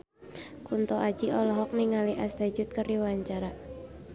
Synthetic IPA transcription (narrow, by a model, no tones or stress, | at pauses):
kunt̪ɔʔad͡ʒiʔɔlɔɦɔk̚niŋaliʔast̪ad͡ʒʊt̪̚kəriwaɲt͡ʃaɾa